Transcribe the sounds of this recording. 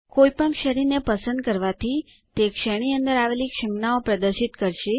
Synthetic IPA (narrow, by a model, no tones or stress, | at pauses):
koipəɳkʃəɾinepəsə̃nd̪̚kəɾʋat̪ʰi | t̪ekʃeɽ̃iənd̪əɾaʋelikʃəmnaopɾəd̪əɾʃit̪kəɾʃe